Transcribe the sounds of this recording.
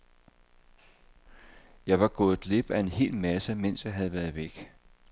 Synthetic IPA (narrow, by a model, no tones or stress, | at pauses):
jɑ̈ɪʋɑ̈ɡ̥ɔ̽ːð̩ˠle̝b̥æe̝nhe̝̰ːlmæsəmen̰sjɑ̈ɪɦæð̞̩ˠʋæɐð̞̩ˠʋeɡ̥